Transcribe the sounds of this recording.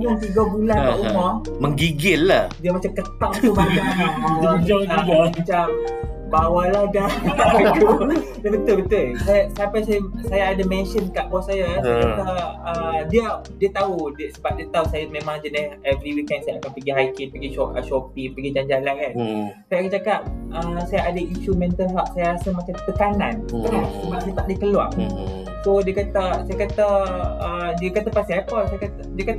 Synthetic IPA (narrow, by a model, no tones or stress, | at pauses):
ɲʊŋt̪iɡabulanaʔumɔməŋɡiɡɪlːahdiəmat͡ʃamkət̪aŋt̪umat͡ʃammad͡ʒaamat͡ʃam | bawalahdaaku | dabət̪ʊlbət̪ʊlsajasaapajsajasajaadamɛ̃nʃənkaʔkɔsajasaat̪aədiə | diət̪aɦudsəbap̚diət̪ausajamẽmãŋd͡ʒənɪhɛvɾiwikɛndsajaakanpəɡiɦajkinpəɡiʃɔʔə̰ʃɔpipəɡid͡ʒaɲd͡ʒalakansajakat͡ʃakap̚əsajaadaiʃumɛ̃nt̪əlɦaʔsajaɾasamat͡ʃamt̪əkanãnasəbaʔ̚sajat̪aʔ̚diəkəlwa̰ŋ | sodiəkat̪asajakat̪aədiəkat̪apast̪iɦapəsajakat̪diəkat̪